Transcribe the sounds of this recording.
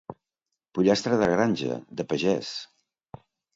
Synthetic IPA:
puʎast̪ɾəðəɣɾanʲʒə̰d̪əpəʒɛs

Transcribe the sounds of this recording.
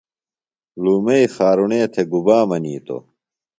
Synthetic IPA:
luːmeixaːɾuɳeːt̪ʰeɡubaːmɐniːt̪o̰

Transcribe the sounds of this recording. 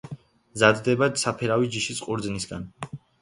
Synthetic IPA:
zad̪d̪ɛbat̪sapʰɛɾavid͡ʒiʃisqʼuɾd̪znisɡa̰n

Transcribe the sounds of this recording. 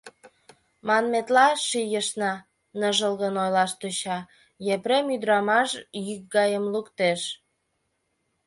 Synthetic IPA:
mɑnmet̪lɑʃijəʃnɑ | nəʒəlɣənojlɑʃt̪uɕɑ | jepɾemyd̪ɾɑmɑʃjyk̚ɡɑjəmlukt̪eʃ

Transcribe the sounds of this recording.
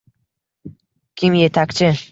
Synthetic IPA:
kʲʰɪmje̞t̪ʰakʲt͡ʃʰɪ

